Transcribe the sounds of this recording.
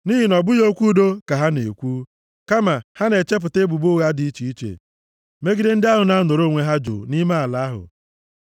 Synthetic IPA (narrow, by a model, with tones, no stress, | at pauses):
ni˦ɦi˨nɔ˨bʊ˦jo˦kʷu˦do˦ka˨ɦa˦nḛ˨kʷu˦ | ka˦ma˨ha˦ne˨t͡ʃe˦p̬ʊ˨te˦bu˨bu˦ɣa˦di˨i˦t͡ʃi˨i˦t͡ʃḛ˨ | me˦ɡi˦dɪ˦n̩˦dɪ˦a˦ɦʊ˨na˦nʊ˨ɾo˦˨ŋʷe˦ɦa˦d͡ʒo̰˨ni˦ma˦a˨la˨˦a˦ɦʊ̰˨